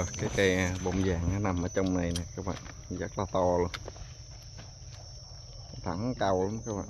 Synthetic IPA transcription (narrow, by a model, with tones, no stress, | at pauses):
kaː˨˦jkaː˨˧˦ɓo̰˧˨˩ŋ͡mzaː˨˩ŋʔaː˨˦na˨˩mʔəː˧˩˦t͡ɕɔ˧wŋ͡mna˨˧jnɛː˨˩kaː˦˥k̚ɓa̰ː˧˨n | zə˦˥t̚laː˨˩t̪ɔ˧lu˧ən | ka˧˦t̪ʰa˨˩˦ŋka˨˩wla˨˦ŋ͡mkaː˦˥ɓa̰ː˧˨